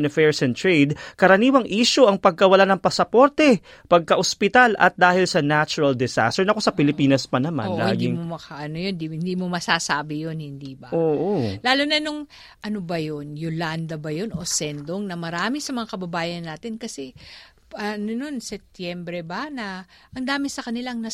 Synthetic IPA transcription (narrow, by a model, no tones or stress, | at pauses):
nɐfɛɹsɛnt̪ɹejd̪̚kɐɾɐniːwɐŋʔiːʃoʔɐŋpɐɡ̚kɐwɐlanɐŋpɐsɐpo̞ɾt̪ɛ | pɐɡ̚kɐʔospɪt̪alɐ̰t̪̚d̪aːhɪlsɐnat͡ʃʊɾɐld̪ɛsa̰st̪ɛɹnɐko̞sɐpɪlɪpiːnɐspɐnɐma̰nlaaːɡ̪ɪŋmomɐkaʔɐnojond̪ihɪnd̪iːmomɐsaːsaːbɪjonhɪnd̪iːbɐʔoːʔolaːlonɐnʊŋ | ʔɐnobɐjonjoland̪ɐbɐjonʔo̞sɛnd̪oŋnɐmɐɾaːmɪsɐmɐŋakɐbɐbaːjɐnːaːt̪ɪnkɐsɛ | ʔɐnono̞nsɛp̚t̪jɛmbɾɛbɐnɐ | ʔɐŋd̪aːmɪsɐkɐnɪlaŋnɐ